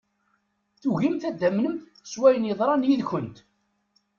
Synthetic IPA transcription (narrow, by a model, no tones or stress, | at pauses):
θuɣimθæd̪ːæmnəmθ | swæjənjəðˤɾˤɑnjiðçənt̪